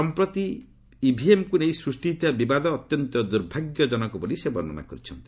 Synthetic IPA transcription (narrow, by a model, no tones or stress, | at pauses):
ɔmpɾɔt̪i | ibʱiemkunejsɾusʈit̪abibad̪ɔːt̪jɔnt̪ɔd̪uɾbʱaɡjɔd͡ʒɔnɔkubɔlisebɔɾnɔna̰kɔɾit͡ʃʰɔnt̪i̥